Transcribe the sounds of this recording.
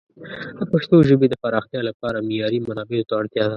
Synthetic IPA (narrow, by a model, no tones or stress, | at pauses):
d̪əpaʃt̪oʒobed̪əpaɾɑxt̪jɑlapɑɾamɪjɑɾimanɑbɪlot̪aaɽt̪jɑd̪a